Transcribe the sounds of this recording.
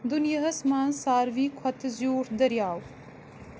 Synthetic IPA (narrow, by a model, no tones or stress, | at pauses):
d̪unjaɦɐsmaːnsaːɾvikʰɐt̪ʰɐzjuːɾd̪ɐɾjaːw